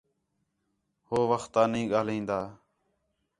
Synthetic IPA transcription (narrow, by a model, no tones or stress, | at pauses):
hoːʋəxt̪ːaːnəĩːɠaːlĩːnd̪aː